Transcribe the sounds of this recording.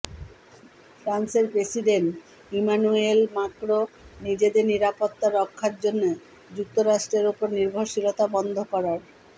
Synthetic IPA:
fɾanseɾpɾesiɖenʈ | imanuelmakɾonid͡ʑed̪eɾniɾapot̪ːaɾɔkʰːaɾd͡ʑonːo | d͡ʑuk̚t̪oɾaʃʈɾeɾupoɾniɾbʱoɾʃiɾot̪abɔnd̪ʱokɔɾaɾ

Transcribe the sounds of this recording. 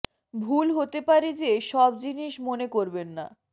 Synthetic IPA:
bʱulɦot̪epaɾed͡ʑeʃɔbd͡ʑiniʃmonekoɾbenːa̰

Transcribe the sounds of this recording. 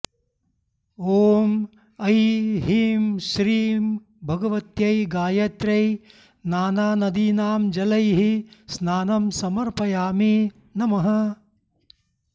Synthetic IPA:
oːm | ɐjɦiːmʃɾiːm | bʱɐɡɐʋɐt̪jɐjɡaːjɐt̪ɾɐj | naːnaːnɐd̪iːnaːmd͡ʒɐlɐjɦisnaːnɐmsɐmɐɾpɐjaːmi | nɐmɐɦɐ

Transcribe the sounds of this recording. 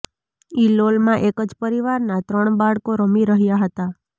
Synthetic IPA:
ilolmãʔekəd͡ʒpəɾiʋaɾnat̪ɾəɳbaɽkoɾəmiɾəɦjaɦət̪a

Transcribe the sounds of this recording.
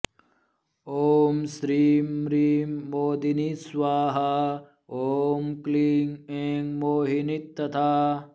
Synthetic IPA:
oːmsɾiːmɾiːmːoːd̪inisʋaːɦɐ | oːmkliːŋeːŋɡmoːɦinit̪ːɐt̪ʰaː

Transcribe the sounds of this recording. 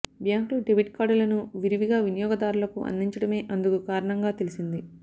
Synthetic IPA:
bjaːŋkluɖeʋiʈkaːɖulɐnuʋiɾiʋiɡaːʋinijɔːɡɐd̪aːɾulɐkṵʔɐ̰nd̪iɲt͡ʃɐɽɐme̞ːʔɐnd̪ukukaːɾɐɳɐŋɡaːt̪e̞lisind̪i

